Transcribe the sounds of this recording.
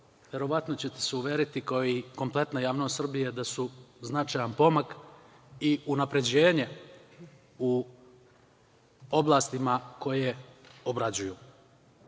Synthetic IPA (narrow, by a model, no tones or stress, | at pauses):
ʋje̞ɾo̞ʋat̪no̞t͡ɕe̞t̪e̥seuʋje̞ːɾit̪ikaoiko̞mplˠe̞t̪najaːʋnost̪r̩bijed̪asuznat͡ʃajanpo̞mak | iunapɾe̞d͡ʑe̞ːɲe̞ | u | o̞blˠaːst̪imako̞jeo̞bɾad͡ʑujuː